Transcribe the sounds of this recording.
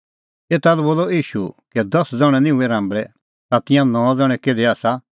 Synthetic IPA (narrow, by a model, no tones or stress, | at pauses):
eːt̪alɛboːlɔiːʃukɛd̪ɐsd͡zɔɽ̃ɛ̃nĩũɛɾãːmbɭɛ | t̪at̪ɪ̃jãnɔ̃d͡zɐɽ̃ɛ̃keːd̪ɛaːsa